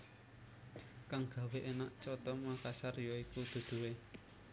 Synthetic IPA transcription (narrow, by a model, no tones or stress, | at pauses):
kaŋɡ̥a̤weʔenaʔt͡ʃɔt̪ɔmakasarjɔikud̪̥ṳd̪̥ṳwe